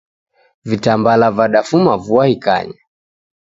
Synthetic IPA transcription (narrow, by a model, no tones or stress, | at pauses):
vitambalavaɗafumavuahika̰ɲa